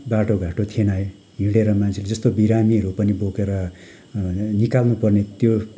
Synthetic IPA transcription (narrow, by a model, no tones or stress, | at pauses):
baʈoɡʱaʈot̪ʰenaj | ɦĩɽeɾʌmant͡sʰeled͡zʌst̪obiɾamiʌɾupʌnibokeɾʌ | nikalnupʌrnet̪jo